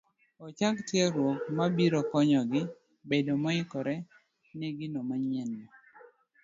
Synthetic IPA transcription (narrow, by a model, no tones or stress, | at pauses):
ɔt͡ʃaktjɛɾwokmabiɾɔkɔɲɔɡɪ | bedomɔɪkɔɾɛ | neɡinomaɲɛnːɔ